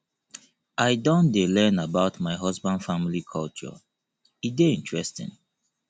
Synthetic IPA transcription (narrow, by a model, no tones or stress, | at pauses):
ʔaɪdɔ̃ndelɛ̃nabaʊtmaɪɦɔzbãnd̥fãmilikʰɔlt͡ʃɔ̰ | ideĩntɹɛstɪ̰̃n